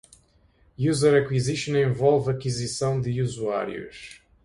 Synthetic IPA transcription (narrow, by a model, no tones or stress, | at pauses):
juzɛɾɐkwiziʃõnẽvɔlˠvɐkizisɐ̃w̃d̪ɨuzua̰ɾj̰ṵʃ